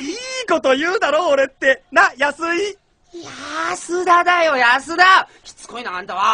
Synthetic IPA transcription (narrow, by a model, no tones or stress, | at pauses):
iːko̞t̪o̞jɯ̟ːd̪aɾo̞ːɾe̞t̪ːe̞najasɨi | jasɨd̪ad̪ajo̞jasɨd̪akʲi̥t͡sɨ̥koinaãnd̪aβa